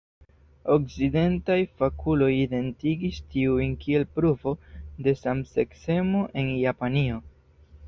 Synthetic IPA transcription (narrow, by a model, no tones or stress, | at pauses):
okside̞ntajfakʰulo̞jide̞ntiɡistiuinkie̞lpɾuvo̞de̞samse̞kse̞mo̞ʔe̞njapanio̞